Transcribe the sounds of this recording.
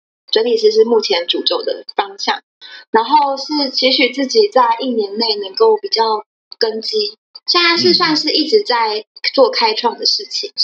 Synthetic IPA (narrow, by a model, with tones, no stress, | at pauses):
t͡swə˧˥nli˨˩ʂ̬ɻ̩˥˧ʂ̬ɻ̩˥˧mu˥˩t͡ɕʰjɛ˧˦nʈ͡ʂu˨˩t͡ɕjo˥˩ʊd̪ə̰˩fɑ˥ŋɕjɑ̰˥˩ŋ | na˧˥nxo˥˧ʊʂɻ̩˥˩t͡ɕʰi˧˥ɕy˨˩t͡sɹ̩˥˩t͡ɕi˨˩t͡sa˥˧ɪʔi˥˩njɛ˧˥nne˥˩ɪnə˧˥ŋko˥˩ʊpi˨˩t͡ɕjɑ˥˩ʊ | kə˦˥nt͡ɕi˥ | ɕa˥˩a˥˧ʂ̬ɻ̩˥˧swa˥˧nʂɻ̩˥˧i˥˩ʈ͡ʂɻ̩˧˥˦t͡sa˥˧ɪt͡swɔ˥˨kʰa˥ɪʈ͡ʂʰwɑ˥˩ŋd̪ə˩ʂɻ̩˥˩t͡ɕʰi˨˩ŋ